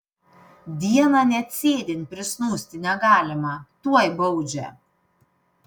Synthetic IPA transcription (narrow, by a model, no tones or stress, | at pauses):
d̪ʲiɛmanʲɛt̪sʲeːd̪ʲɪnpʲɾɪsnuːsʲt̪ʲinʲaɡaːlʲɛmat̪uɔjbɔwd͡ʒʲɛ̰